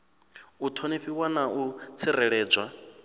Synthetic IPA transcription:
ut̪ʰoneɸiwanaʔut͡sʰiɾɛɺɛːd͡ʒwa

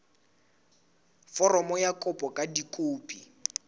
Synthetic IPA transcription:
fɔrɔmɔjakʼɔpʼɔkʼadikʼoːpʼi

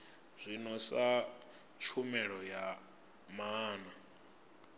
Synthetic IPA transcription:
z̥ʷinɔsa | t͡ʃʰumɛɺɔja | maːna

